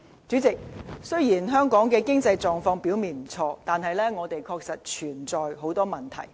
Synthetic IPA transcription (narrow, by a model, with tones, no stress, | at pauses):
t͡syː˨˥t͡sɪ˨k̚sɵ˥ɥjiː˨˩nɦœː˥ŋkɔː˨˥ŋkɛː˧kɪ˥ŋt͡sɐ˧jt͡sɔː˨˧ŋfɔː˧ŋpi˨˥wmiː˨nm̩˨˩t͡sʰɔː˧t̪aː˨nɦɐ˨jlɛː˥ŋɔː˨˧t̪e˨jkʰɔː˧k̚sɐ˨t̚t͡ʃʰyː˨˩nt͡sɔː˨jɦo˨˥wt̪ɔː˥mɐ˨nt̪ʰɐ̰˨˩j